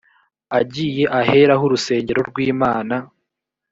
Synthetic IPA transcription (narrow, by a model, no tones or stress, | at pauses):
aɟiːje̞ʔahe̞ɾaɦuɾuse̞ːɲɟe̞ɾo̞ɾɡwiːmaːna